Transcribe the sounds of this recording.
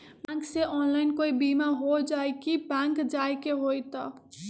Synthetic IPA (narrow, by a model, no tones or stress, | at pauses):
bãŋkseʔɔnlajnkoibimaɦod͡ʒaekibãŋkd͡ʒajkeɦojt̪ʌ